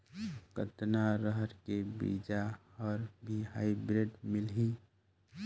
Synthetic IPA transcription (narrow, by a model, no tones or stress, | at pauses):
kət̪naɾəɦəɾkebḭːd͡ʒa | ɔːɾbʱiɦaːibɾeɖmɪlɦĩ